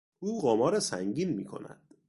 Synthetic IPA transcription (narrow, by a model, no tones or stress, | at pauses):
ʔuːɣɒːmɒːɾesæ̰ŋɟiːnmiːkʰo̞̰næ̰d̪̥